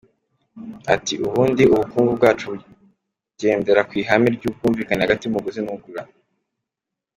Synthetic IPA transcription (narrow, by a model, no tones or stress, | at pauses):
a̰tiʔuβuːndiuβukuːŋɡubɡaːt͡ʃu | ɟe̞ːnde̞ɾakwiːɦamiɾɟub̚ɡuːɱviːkanehaɡatiumuɡuzinuɡuɾa